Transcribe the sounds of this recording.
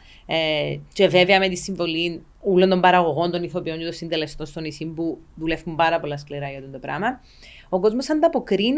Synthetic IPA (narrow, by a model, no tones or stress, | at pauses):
ce̞ve̞veɐmet̪isːiɱvo̞lin | ulːo̞nt̪ombɐɾɐɣo̞ɣo̞nt̪o̞niθo̞pio̞ɲcet̪osind̪ele̞st̪o̞nst̪o̞nisimpuðule̞fkumbɐɾɐpo̞lːɐskliɾɐʝɐt̪ond̪opɾɐ̰mɐ | o̞ko̞zmosɐnd̪ɐpo̞kɾin